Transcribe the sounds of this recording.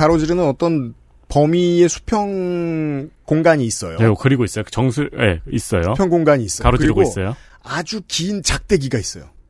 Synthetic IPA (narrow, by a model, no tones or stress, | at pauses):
kaɾod͡ʑiɾɯnɯnʌt͈ʌn | pʌmie̞sʰu̥pʰjʌŋ | koŋɡaɲiːs͈ʌ̰joekɯɾiɡois͈ʌjot͡ɕʌŋsʰujḛis͈ʌjopʰjʌŋɡoŋɡaɲiːs͈ʌaɾokɯiɾɯɡoios͈ʌjo | ad͡ʑukiːnt͡ɕak̚t͈e̞ɡiɡais͈ʌjo